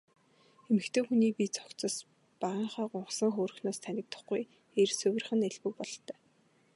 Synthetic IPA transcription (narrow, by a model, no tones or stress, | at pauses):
emɘ̆xt̪ʰeːxuniːpit͡sʰɔ̥kt͡sɞ̆s | paʁiːɴχaːɢʊɴɢsə̆ŋxoːrɵ̆xnoːst̪ʰænʲɪ̆k̚t̪ə̥̆χɡuj | ersɵwʲɘ̆r̆χɘ̆neɮpɘ̆k̚pɔɮt̪œː